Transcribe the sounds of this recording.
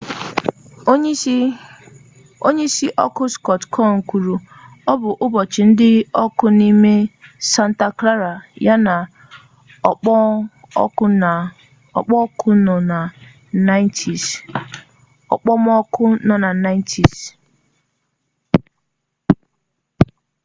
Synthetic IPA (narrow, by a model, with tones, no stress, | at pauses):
o˦ɲe˦si˦ʔɔ˦kʊ˦skɔ˨tkʰɔ˦˨ŋ̩˨kʷu˨ɾu˨ | ɔ˦bʊ˨ʔʊ˦bɔ˨t͡ʃɪ˨n̩˦dɪ˦ɔ˦kʊ˦ni˦me˦sa˨n̩˨ta˨kla˦ɾa˨ja˦na˨˦˨ | ɔ̰˨k͡pɔ˦kʰʊ˦n˨a˨ | na˦ɪ˦ntʰi˨s | ɔ̰˨k͡pɔ˦m˦ɔ˦kʊ˦nɔ˨na˨na˦ɪ˦n˦tʰi˨s